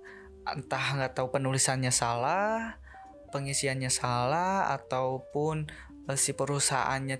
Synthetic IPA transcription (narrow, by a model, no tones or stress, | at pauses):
nt̪ahŋɡat̪aupənulisanɲasalah | pəŋisianɲasalaha̰t̪aupʊn | əsipəɾusa̰ʔa̰nɲa